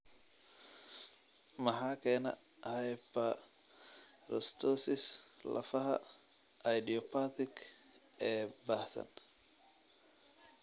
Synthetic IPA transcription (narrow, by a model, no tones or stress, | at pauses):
mɐħaːkʰɛːnɐ̰ | hɛjbɐ | rɔst̪ʰɔsɪs | lɐ̰fɐɦɐ̰ | ɐjd̪iɔpʰat̪ʰɪkʰ | ɛːbaːhsɐ̰n